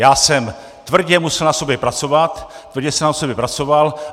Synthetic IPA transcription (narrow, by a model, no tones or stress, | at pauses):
jaːsɛm | t̪vr̩ɟɛmusɛlnaso̞bjɛpɾat͡so̞vat̪t̪ːvr̩ɟɛsɛmnasobjɛpɾat͡so̞val